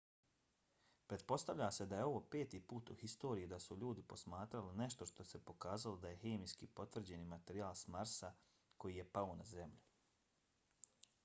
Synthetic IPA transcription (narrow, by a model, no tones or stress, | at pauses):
pɾe̞t̪̚po̞st̪aʋʎaːse̞d̪ajeo̞ʋo̞ːpe̞ːt̪ipuːt̪uhist̪o̞ːɾijid̪asuʎuːd̪ipo̞smaːt̪ɾaline̞ʃt̪o̞ʃt̪o̞se̞po̞kaːzalo̞d̪aje̞xeːmijskipo̞t̪ʋr̩d͡ʑe̞nimat̪eɾiaːlˠsmaɾsa | ko̞jije̞paonaze̞mʎu